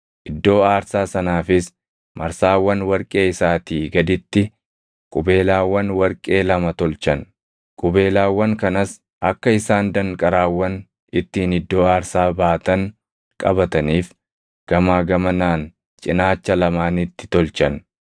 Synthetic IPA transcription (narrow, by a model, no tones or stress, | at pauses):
ʔɪd̪ːo̞ːaːɾsaːsɐnaːfɪs | mɐɾsaːwːɐnwɐɾkʼe̞ːɪsaːt̪iːɡɐd̪ɪt̪ːɪ | kʼʊbe̞ːlaːwːɐnwɐɾkʼe̞ːlɐmɐt̪ɔlt͡ʃɐn | kʼʊbe̞ːlaːwːɐŋkɐnɐs | ʔɐkːɐɪsaːnd̪ɐŋkʼɐɾaːwːɐn | ɪt̪ːiːnɪd̪ːo̞ːaːɾsaːbaːt̪ɐŋ | kʼɐbɐt̪ɐniːf | ɡ̥ɐmaːɡɐmɐnaːn | t͡ʃʼɪnaːt͡ʃːɐlɐmaːnɪt̪ːɪ̥t̪ɔlt͡ʃɐn